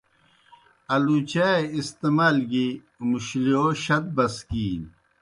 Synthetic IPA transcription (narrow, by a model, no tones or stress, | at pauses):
ɐlut͡ɕaeist̪emaːlɡi | muɕlioɕɐt̪̚bɐskiːn